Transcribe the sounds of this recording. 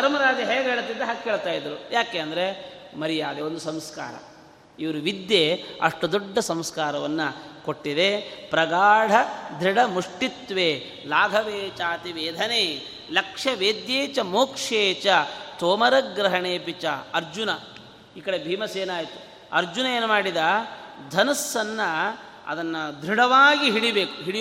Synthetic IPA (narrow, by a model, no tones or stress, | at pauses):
ɐɾmɐɾaːd͡ʒ̪iɦeːɡɦeːɭɐt̪ind̪eɦakːeːɭt̪aːjid̪ɐɾujaːkeːɐnd̪ɐɾe | mɐɾijaːd̪eond̪usɐmska̰ːɾɐ̰ | iʋɐɾuʋid̪jeɐ̰ʂʈud̪ɔɖːɐsɐmskaːɾɐʋɐnːɐkoʈːid̪epɾɐɡaːɽ̤ɐd̪ʱɾiɽɐmuʂʈit̪ʋeː | laːɡʱɐʋeːt͡ʃaːt̪iʋeːd̪ʱɐneː | lɐkʂɐʋeːd̪jeːt͡ʃɐmoːkʂeːt͡ʃɐt̪oːmɐɾɐɡɾɐɦɐɳeːpit͡ʃɐɐɾd͡ʒunɐ | iːkɐɽebʱiːmɐseːnaːjt̪u̥ | ɐ̰ɾd͡ʒunɐeːnumaːɽid̪ad̪ʱɐnɐsːɐnːɐ | ɐ̰d̪ɐnːɐd̪ʱɾiɽɐʋaːɡiɦiɽibeːkuɦiɽi